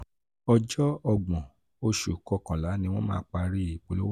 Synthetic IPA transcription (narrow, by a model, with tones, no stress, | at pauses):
ɔ˧d͡ʒɔ˦ɔ˧ɡ͡bɔ̃˨ | o˦ʃu˨kɔ˧˨kã˨la˨˦nĩ˧w̃ɔ̃˦mãː˦k͡pa˧ɾi˦i˨k͡po˨˧lo˦w